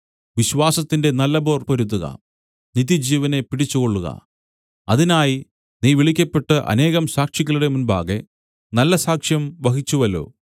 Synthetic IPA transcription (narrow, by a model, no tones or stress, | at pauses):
ʋiɕʋaːsɐt̪ːinde̞nɐlːɐbo̞ːrpoɾut̪̬ːuɣɐ̰ | niðid͡ʑiːʋɐne̞piɽit͡ɕːuɣo̞ɭːuɣɐ̰ | ɐðinaːji | niːʋiɭikʲːɐpːe̞ʈːɨʔɐ̰ne̞ːɣɐmsaːkʂikʲːɐɭuɽe̞munba̰ːɣe̞ | nɐlːɐsaːkʂjɐmʋɐɦit͡ɕːuʋɐlo̞̰ː